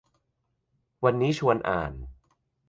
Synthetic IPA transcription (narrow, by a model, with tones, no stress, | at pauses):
wa˧nːiː˦˥t͡ɕʰu˧ənʔa̰ː˨˩n